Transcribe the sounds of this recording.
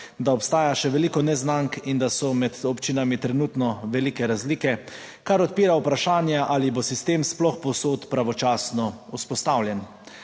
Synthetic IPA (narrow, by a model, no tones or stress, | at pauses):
d̪aɔpst̪aːjaʃɛʋɛliːkɔnɛznaŋkind̪asɔmɛd̪ɔpt͡ʃiːnamit̪ɾɛnuːt̪nɔʋɛliːkɛɾazliːkɛ | kaɾɔt̪̚piːɾaupɾaʃaːnjaʔalibosist̪eːmsplɔxpɔwsoːt̪pɾaʋɔt͡ʃaːsnɔuspɔst̪awljɛn